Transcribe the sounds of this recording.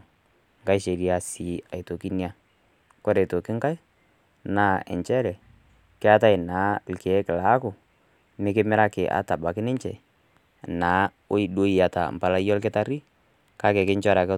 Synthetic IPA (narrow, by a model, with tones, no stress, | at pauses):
ŋka˦jʃe˨ɾi˦a˨si˨˦a˨i˨to˨ki˦ni˦a˦ | kɔ˦ɾɛ˨to˨kɪ˦ŋka˦i˦ | na˦ɛ̰˨ɲt͡ʃɛ˦ɾɛ˨ | kɪ˦a˦ta˦ɪ˨naː˨˦lkɛ˨˦kɪ˨la˨˦kʊ˨ | mɪ˦kɪ˦mɪ˦ɾa˦kɪ˨ʔa̰˨˦ta˨ba˨kɪ˦nɪ˦ɲt͡ʃɛ˨ | naː˨˦ | o˦i˦ɗo˦i˨a˨ta̰˨m̩˨pa˨la˦jɔ˦lkɪ˦ta˦ɾi˦ | ka˦kɛ˨kɪ˦ɲt͡ʃɔ˦ɾa˨kɛ˦